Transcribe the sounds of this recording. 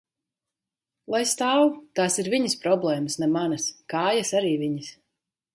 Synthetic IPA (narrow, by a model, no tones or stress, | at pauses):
lˠajst̪aːwt̪aːsiɾviɲispɾɔblˠɛːmasnɛmanɐskaːjasaɾiːviɲis